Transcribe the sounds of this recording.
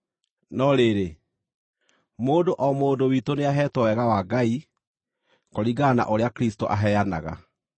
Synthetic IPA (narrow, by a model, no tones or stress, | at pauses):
nɔɾeːɾe | moːdoʔɔmoːdowitoneaɦɛtɔwɛɣawaɡai | kɔɾiɡaːna̰ʔoɾeakɾis̬toʔaɦɛjana̰ɣa̰